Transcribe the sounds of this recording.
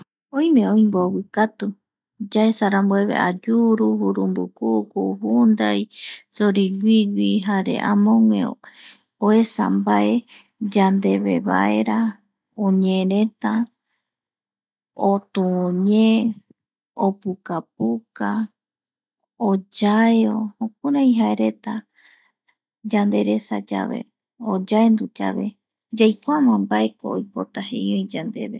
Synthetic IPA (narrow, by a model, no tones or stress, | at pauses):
õj̃mẽõĩmbowikat̪u | d͡ʒaesaɾambweβḛʔa̰d͡ʒuɾuhuɾumbukukuhund̪ajsoɾiwʷiwiɦaɾḛʔamõŋḛ̃ | oesa̰mbae | d͡ʒand̪eβḛβa̰e̞ɾa | õɲẽɾẽt̪a | ot̪uɲẽ | opukap̚uka | od͡ʒaeoõkoɾãĩɦaeɾe̞t̪a | d͡ʒand̪e̞ɾe̞sad͡ʒa̰βe̞̰ | od͡ʒaend̪ud͡ʒa̰βe̞̰ | d͡ʒajkʷamãmbae̞ko̰ːjpo̞t̪aɦḛ̃jõj̃d͡ʒand̪e̞βḛ